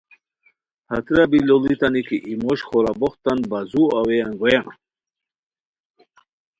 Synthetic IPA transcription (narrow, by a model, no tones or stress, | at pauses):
hat̪ɾabilolit̪anikiʔimoɕxoɾaboχt̪anbazuawejanɡojan